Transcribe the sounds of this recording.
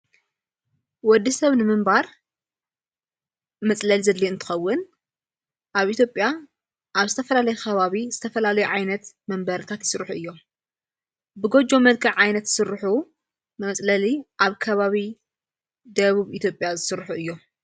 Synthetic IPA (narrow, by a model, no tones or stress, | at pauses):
wɔd̪ːisɐβnɨmɨmbaɾ | mɐt͡sʼlɐlizɐd̪lːiɨnt̪ʰɨ̥xɐwːʊn | ʔaβʔit̪ʰjo̞pʼja | ʔaβzɨt̪ʰɐfɐlalɐjukʰɐβaβiz̥ɨt̪ʰɐfɐlalɐjuʕajnɐt̪mɐmbɐɾɨt̪ʰat̪jɪsɨɾħuɨjːo̞ | bɨɡo̞d͡ʒo̞mɐd̪̚kʰɐʕʕajnɐt̪sɨɾħu | mɐt͡sʼlɐliʔaβkʰɐβaβi | d̪ɐβuβit̪ʰjo̞pʼjazɨsɨɾħuʔɨjːo